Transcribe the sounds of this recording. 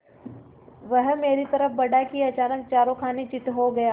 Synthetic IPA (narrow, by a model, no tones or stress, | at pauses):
ʋɐɦmeːɾit̪ɐɾəfbɐɽakiɐt͡ʃaːnək̚t͡ʃaːɾõkʰaːnet͡ʃɪʈ̪ɦoɡɐja